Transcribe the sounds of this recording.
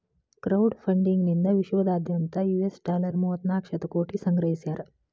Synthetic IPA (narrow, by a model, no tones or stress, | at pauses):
kɾɐwɖpʰɐɳɖiŋɡnind̪ɐʋiʃʋɐd̪aːd̪ʱjɐnt̪ɐjuesʈaːlɐɾmuɦɐt̪naːkʂɐt̪ɐkoːʈisɐŋɡɾɐɦisjaːɾɐ